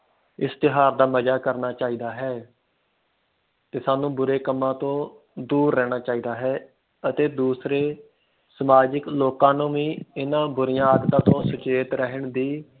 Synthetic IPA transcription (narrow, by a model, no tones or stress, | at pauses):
ɪst̪ɪɦaːɾd̪aːməd͡ʒaːkəɾnaːt͡ʃaːiːd̪aːɦɛː | t̪eːsaːnũːbʊɾeːkəmːãːt̪õː | d̪uːɾːɛːɽ̃aːt͡ʃaːiːd̪aːɦɛː | ət̪eːd̪uːsɾeː | səmaːd͡ʒəkloːkãːnũːʋĩːɪnãːbʊɾɪjãːəɡt̪ãːt̪õːsʊt͡ʃeːt̪ɾəɦəɳd̪iː